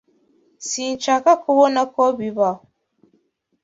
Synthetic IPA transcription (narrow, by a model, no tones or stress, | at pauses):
sin̩t͡ʃakakowonakɔbiba